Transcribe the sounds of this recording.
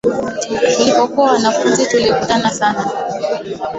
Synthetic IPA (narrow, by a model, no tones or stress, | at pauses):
kulipɔkuawanafunzituliɔkutanasana